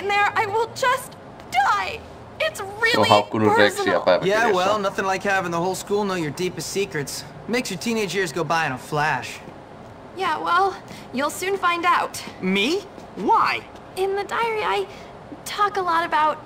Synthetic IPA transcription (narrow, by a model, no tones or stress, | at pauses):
ɨ̃nðə˞aɪwɪlˠd͡ʒʌs | d̥aɪ | ɪtsɹɪlɦaɡ̥ʊɾəɜesnʌ̰̥ajæwɛlˠnʌθɪ̃ŋlaɪkhɨvɨ̃n̩ðəɦoʊlˠskulˠnoʊjə˞dipɨstsikɹɨts | meɪksjə˞tʰĩneɪd͡ʒə˞zɡoʊbaɪɨ̃ñəflæʃ | jæwɛlˠ | julˠsʉ̃nfãɪ̃ndaʊtmi | waɪ | ɪ̃nðɨdaɪə˞iaɪ | tʰɔkəlɔɾɨbaʊt̚